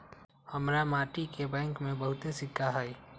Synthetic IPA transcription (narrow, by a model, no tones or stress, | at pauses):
həmɾamaːʈikebɛ̃ːŋkmẽbəɦʊt̪esɪkʰːaɦai